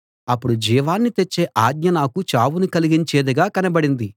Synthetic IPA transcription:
ɐpːuɽud͡ʒiːʋaːnːit̪et͡ʃːe̞ːʔaːd̪̚ɲɐnaːkut͡ʃaːwunikɐliɡiɲt͡ʃeːd̪ɐɡaːkɐnɐbɐɽind̪i

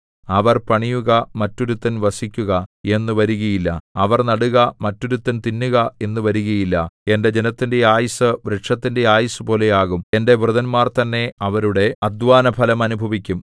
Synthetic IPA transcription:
ɐʋɐrpɐɳijuɣɐmɐtːo̞ɾut̪ːɐnʋɐsikʲːuɣɐe̞nːuʋɐɾuɣɐjilːɐɐʋɐrnɐɽuɣɐmɐtːo̞ɾut̪ːɐnt̪inːuɣɐe̞nːuʋɐɾuɣɐjilːɐe̞nde̞d͡ʑe̞nɐt̪ːinde̞aːjɐsɐʋɾeʈʂɐt̪ːinde̞aːjɐsɐpo̞ːle̞jaːɣume̞nde̞ʋrɨðɐnmaːrt̪ɐnːe̞ɐʋɐɾuɽe̞ɐd̪ʋaːnɐpʰɐlɐmɐnubʱɐʋikʲːum

